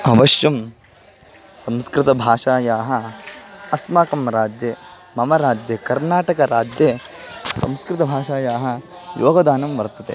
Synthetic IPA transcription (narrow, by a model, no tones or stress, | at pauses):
ɐʋɐʂjɐm | sɐmskɾɪt̪ɐbʱaːʂaːjaːɦɐ | ɐsmaːkɐmɾaːd͡ʒje | mɐmɐɾaːd͡ʒjɐkɐɾnaːʈɐkɐɾaːd͡ʒjesɐ̰mskɾɪt̪ɐbʱaːʂaːjaːɦɐ̆jʔoːɡɐd̪aːnɐmʋɐɾt̪ɐt̪ḛ